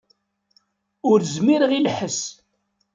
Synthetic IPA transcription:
ʊɾzmiɾəʁilħəs

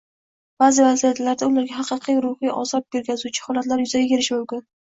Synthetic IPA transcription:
b̥azɪvazijat̪laɾd̪aʊlaɾɡʲaɦɑqʰɨqʰijɾʊhɨjʔɒ̰sɒp̚beɾkʲʰazut͡ʃʰɪ̥hɒlat̪laɾjʊzaɡʲakʲe̞ɾɪʃmʊmkʲɪn

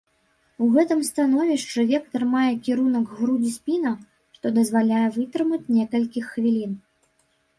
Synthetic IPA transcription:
uɣɛt̪ɨmst̪anɔvʲiʂt͡ʂɨvʲɛkt̪ɐrmajɛkʲiɾunɐɡɣɾud͡zʲisʲpʲinɐ | ʂt̪ɔd̪ɐzvalʲajɛvɨt̪ɾɨmɐt͡sʲnʲɛkɐlʲkʲixːvʲilʲin

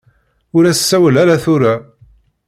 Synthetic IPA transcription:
ʊɾæsːæwəlæɾæθʊɾa

